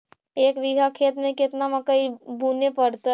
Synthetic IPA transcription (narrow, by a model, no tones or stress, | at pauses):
eːkʋɪɡʱakʰeːt̪mẽkɪt̪naməkəibunepəɽt̪a